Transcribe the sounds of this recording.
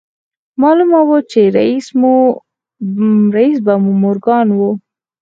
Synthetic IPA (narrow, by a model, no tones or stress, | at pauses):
mɑlumawot͡ʃeɾaismu | ɾais̬bamumʊɾɡɑnwo